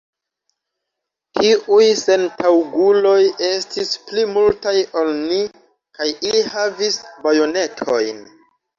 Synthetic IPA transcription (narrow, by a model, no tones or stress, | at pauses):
tʰiʔujse̞ntʰawɡulo̞jʔe̞stisplimultajo̞lmi | kajʔilihavisbajo̞ne̞tʰo̞jn